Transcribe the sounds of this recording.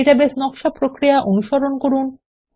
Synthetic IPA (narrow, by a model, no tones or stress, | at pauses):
iʈabesnɔkʃapɾokɾijaʔonuʃoɾonkoɾun